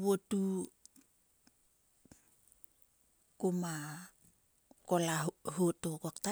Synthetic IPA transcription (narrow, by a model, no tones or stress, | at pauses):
wotu | koma | kolahotokakta